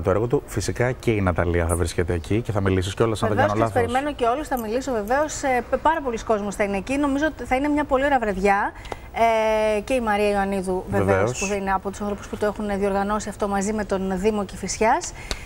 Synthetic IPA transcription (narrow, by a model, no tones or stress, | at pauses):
t̪oeɣo̞t̪ufisikɐceinɐt̪ɐliɐθɐvɾiscet̪eːcice̞θɐmilis̬isceo̞lɐsɐneðvenolɐpeɾime̞no̞ce̞o̞lusθɐmiliso̞veve̞o̞sepɐɾɐpo̞lisko̞zmosθɐineːcino̞mizo̞ot̪iθɐine̞mɲɐpo̞lio̞ɾɐvɾɐðʝɐ | ece̞imɐɾiɐioɐniðuveveoospuɐine̞ɐpot̪usɐ̃nθɾopu̥sput̪oe̞xunðio̞ɾɣɐno̞siɐft̪o̞mɐzime̞t̪o̞nðimo̞cefisçɐs